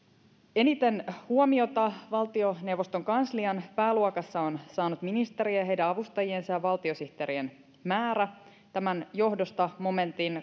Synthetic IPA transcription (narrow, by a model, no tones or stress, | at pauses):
e̞nit̪e̞nhuomio̞t̪ɑʋɑlt̪io̞ne̞wʋo̞st̪o̞ŋkɑnsliɑnpæːluɑkɑsːɑonsɑːnut̪minist̪e̞ɾieɦe̞jdæɑʋust̪ɑjie̞nsɑjɑʋɑlt̪io̞siht̪eɾien | mæːɾæ | t̪æmænjo̞ɦdo̞st̪ɑmo̞me̞nt̪in